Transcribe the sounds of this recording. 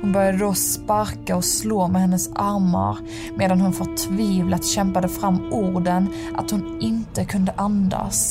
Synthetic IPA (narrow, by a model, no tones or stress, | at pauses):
hʊnbœɾjad̪əd̪ospaɾkaɔsloːmɛhɛnːəsʔaɾma̰ɾ | meːd̪anhʊnfœʈʰviːvlat̪ɕɛmpad̪əfɾamːʔuɾɖən | ʔat̪hʊn | ɪnt̪əkʰɵnd̪əʔand̪a̰s